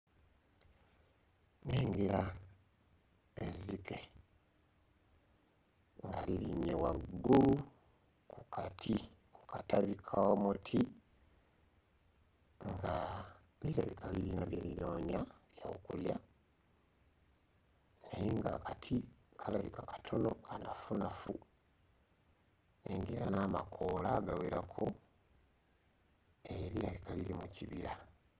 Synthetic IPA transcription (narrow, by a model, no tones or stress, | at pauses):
neːŋɡeɾa | ezːike | ŋɡaliliɲewaɡːulu | kukʰatʰi | ku̥kataβikʰaomutʰi | ŋɡa | liɾaβikʰaliɾinaβjeliloːɲaβjaokulja | najiŋɡa̰katʰikʰalaβikakḁtʰo̞no̞kanafunafu | neŋɡiɾanaːma̰kʰolaɡaweɾakʰo | eliɾaβikalilimuciβiɾa